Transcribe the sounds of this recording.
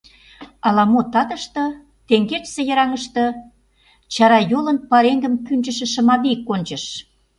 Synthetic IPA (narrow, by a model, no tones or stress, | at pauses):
ɑlɑmot̪ɑt̪ə̆ʃt̪ɤ̆ | t̪eŋɡet͡ʃsĕjə̆ɾɑŋəʃt̪ɤ̆ | t͡ɕɑɾɑjolə̆npɑɾeŋɡə̆mkynʲd͡ʑə̆ʃĕʃə̆mɑβikːonʲt͡ɕə̆ʃ